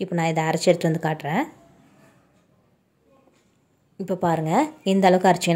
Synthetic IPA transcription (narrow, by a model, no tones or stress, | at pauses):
ɪpːoːnaːɪðɐɐɾɐt͡ʃːɛɾɯt̪ːɯʋɐnd̪ɯkaːʈɾẽː | ɪpːoːpaːɾɯŋɡɐɛnd̪ɐlɐʋɯkːɐɾɐt͡ʃːɯkːɐ